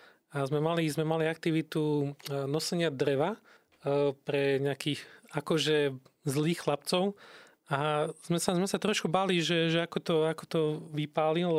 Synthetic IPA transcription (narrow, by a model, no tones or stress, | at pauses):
azmɛmalizmɛmaliak̚t̪iʋit̪unɔsɛɲɪad̪ɾɛʋa | pɾɛɲɛakiːɣakɔʒɛzliːxxlap̚t͡sɔʊ | az̥mɛsazmɛsat̪ɾɔʃkubaːliʒɛʒɛakɔt̪ɔakɔ̥t̪ɔʋipaːlil